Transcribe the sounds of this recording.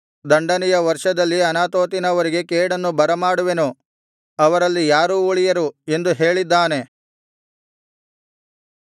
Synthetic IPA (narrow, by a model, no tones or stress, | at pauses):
d̪ɐɳɖɐnɛjɐʋɐɾʂɐd̪ɐlːiɐnaːt̪oːt̪inɐʋɐɾiɡe̞keːɽɐnːubɐɾɐmaːɽuʋe̞nu | ɐʋɐɾɐlːijaːɾuːuɭijɐɾue̞nd̪uɦe̞ːɭid̪ːaːne̞